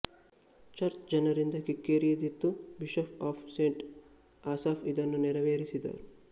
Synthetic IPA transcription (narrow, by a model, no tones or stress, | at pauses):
t͡ʃɐɾt͡ʃd͡ʒɐnɐɾind̪ɐkikːeːɾijɐd̪it̪ːubiʃɐpaːpʰseːɳʈ | aːsaːfʰid̪ɐnːunɛɾɐʋeːɾisid̪ɐ̰ːɾu